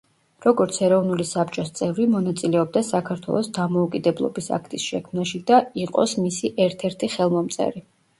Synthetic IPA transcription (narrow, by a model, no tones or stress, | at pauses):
ɾɔɡɔɾt̪sʰɛɾɔvnulisapt͡ʃʼɔst̪sʼɛvɾimɔnat̪sʼilɛɔb̚d̪asakʰaɾt̪ʰwɛ̰lˠɔsd̪amɔukʼid̪ɛblˠɔ̰bisa̰kʰt̪ʼisʃɛkʰmnaʃid̪aiqʼɔ̰smisiʔɛɾt̪ʰɛɾt̪ʰiχɛlˠmɔmt̪sʼɛ̰ɾi